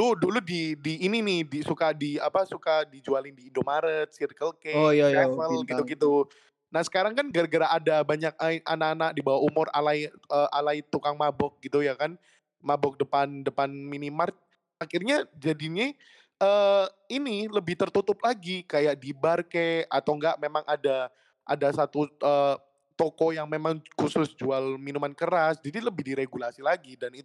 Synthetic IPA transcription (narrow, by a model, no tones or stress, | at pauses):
doduludidiːninɪhdisukadiapasukadid͡ʒualɪndiːndomaɾət̪̚sirkəlkɛjaafəlɡit̪uɡit̪u | nahsə̥kaɾaŋkanɡəɾɡəɾaʔːdabaɲak̚aa̰nakanak̚dibawaumʊra̰lajəːʔalait̪ukaŋmabɔk̚ɡit̪ujakan | mabɔk̚dəpandəpanminimart̪̚ | akɪrɲad͡ʒadiɲi | ʔəː | iniləbɪht̪ərt̪ut̪ʊp̚laɡikajaʔdibarkea̰t̪awŋɡaʔmemaŋʔada | ʔa̰dasat̪uʔəː | t̪okojaŋmemaŋkusʊsd͡ʒualminumankəɾasd͡ʒadiləbɪhdiɾeɡulasilaɡidani